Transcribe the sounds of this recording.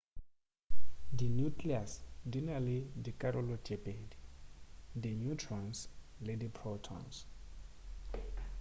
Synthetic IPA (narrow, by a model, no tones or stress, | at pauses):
dinjukliasdinalidikʼaɾɔlɔd͡ʒepʼedi | d̪injutʰɹɔ̃ns | ledipʰɹɔtʰɔ̰̃ns